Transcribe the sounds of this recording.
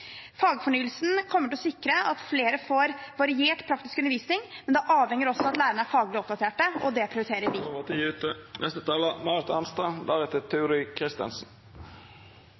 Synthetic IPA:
fɑːɡfɔɳyːəlsn̩kʰɔmːəʈʰɪlɔsɪkːɾəɑt̪fleːɾəfoːɾʋɑɾɪeːʈpʰɾɑkt̪ɪskʉnːəʋiːsnɪŋmɛnd̪ɛʔɑːʋhɛŋːəɾɔsːɔɑt̪læːɾəɳəæɾfɑːɡlɪɔp̚d̪ɑt̪ʰeːʈəɔd̪ɛpʰɾɪʊɾɪt̪eːɾəɾʋit̪jʉːt̪ənʔɛst̪ət̪ʰɑːlɑmɑɾt̪ɑnst̪ɑd̪æɾɛt̪ət̪ʰʉːɾɪkʰɾɪst̪ə̰nsn̩

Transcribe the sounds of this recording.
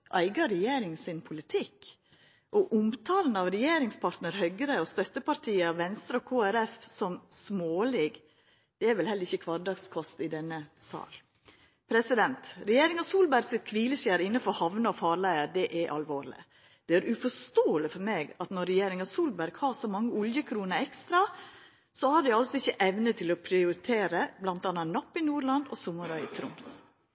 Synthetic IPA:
ʔæɪɡɑɾɛjeːɾɪŋsɪnpʰʊlɪt̪ʰɪkː | ʔɔʔʊmt̪ʰɑːln̩ɑʋɾɛjeːɾɪŋspʰɑɾt̪nəɾhœɡəɾəɔst̪œt̪ːəpɑɾt̪ʰiːəɑʋʋɛnst̪ɾəɔkʰoːæɾɛfsɔmsmoːlɪːɡ | d̪̥ɛæɾʋɛlhɛlːəɾɪçːəkʰʋɑɾdɑɡskʰɔst̪ɪd̪ɛnːəsɑ̰ːl | pʰɾɛsɪd̪ɛnt̪ɾɛjeːɾɪŋɑsuːlbæɾɡsɪt̪̚kʰʋiːləʃæːɾɪnːəfɔɾhɑʋnəɔfɑːɾɭæɪəɾd̪ɛʔæɾʔɑ̰lʋoːɾlɪ̰ | d̪̥ɛæɾʔʉfɔʂt̪oːlɪfɔɾmeːɡɑt̪nɔɾɛjeːɾɪŋɑsuːlbæɾɡhɑːɾsɔmɑŋːəʊljəkʰɾuːnəɛkst̪ɾɑ | sɔhɑɖ̪ɛɑlsɔɪçːəʔɛʋnət̪ʰɪlɔpʰɾɪʊɾɪt̪ʰeːɾəblɑnt̪ɑːnɑnɑpːɪnuːɾɭɑnd̪ɔ̰sʊmːəɾɑɪt̪ʰɾʊ̰ms

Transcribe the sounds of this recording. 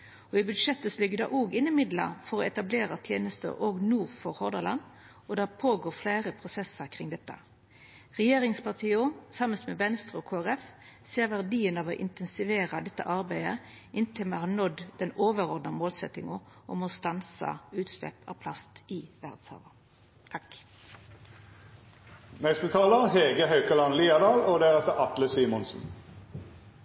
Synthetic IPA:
ɔɪbʉd̪ʂɛt̪ːəsɔlʏɡːəd̪ɛ̰ʔoːɡɪnːəmɪd̪lə̰fɔʁɔɛt̪ɑbleːʁɑt̪ʰjeːnəst̪ə̰oːɡnuːʁfɔʁhɔʁd̪əlɑn | ɔd̪æʁpʰoːɡoːʁflæːʁəpʰʁʊsɛsːəʁkʰʁɪŋd̪ɛt̪ːə̰ | ʁɛjeːʁɪŋspɑʁt̪ʰiːosɑməst̪mɛʋɛnst̪ʁəɔkʰoːæʁɛfseːʁʋæʁd̪iːənɑːʋɔʔɪnt̪ɛnsɪʋeːɾɑd̪ɛt̪ːə̰ʔɑʁbæɪə | ʔɪnt̪ʰɪlmeːɦɑnɔd̪d̪ɛnoːʋəʁɔʁd̪nəmoːlsɛt̪ːɪŋɔ | ʔɔmost̪ɑnsɑ̰ʉːt̪slɛ̰pʰɑ̰ːʋpʰlɑst̪iːʋæʁd̪̥shɑ̰ːʋə | t̪ʰɑk | nɛst̪ət̪ʰɑːləʁheːɡəhɑʉkəlɑnliːɑd̪ɑːloːd̪æʁɛt̪əʁɑt̪ləsiːmʊnsn̩

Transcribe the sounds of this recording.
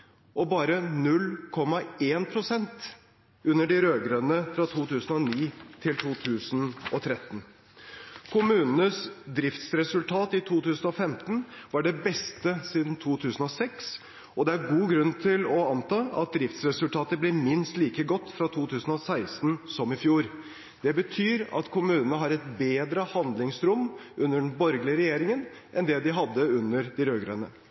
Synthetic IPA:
ɔbɑːɾənʉlːkʰɔmːɑeːnpʰɾʊsɛnt̪ | ʉnːəɖɪɾøːɡɾœnəfɾɑt̪ʰuːt̪ʰʉːsn̩ɔniːt̪ʰɪlt̪ʰuːt̪ʰʉːsənɔt̪ʰɾɛt̪ːn̩ | kʰʊmʉːnnəsd̪ɾɪft̪sɾɛsʉlt̪ʰɑːt̪ɪt̪ʰuːt̪ʉːsn̩ɔfɛmt̪n̩ʋɑɖɛbɛst̪əsiːd̪n̩t̪ʰuːt̪ʰʉːsn̩ɔsɛks | ɔd̪ɛæɾɡuːɡɾʉnt̪ʰɪlɔɑnt̪ɑːɑ̰t̪̚d̪ɾɪft̪sɾɛsʉlt̪ʰɑːt̪əblɪmɪnst̪liːkəɡɔt̪ːfɾɑt̪ʰuːt̪ʰʉːsn̩ɔsæɪsnsɔmɪfjuːɾ | d̪ɛbət̪ʰyːɾɑ̰t̪kʰʊmʉːnənəɦɑɾɛt̪beːd̪ɾəhɑnd̪lɪŋsɾʊmʔʉnːəɖɛnbɔɾɡlɪəɾɛjeːɾɪŋən | ʔɛnd̪ɛd̪ɪɦɑd̪ːəʉnːəɾd̪ɪɾøːɡɾœ̰nə

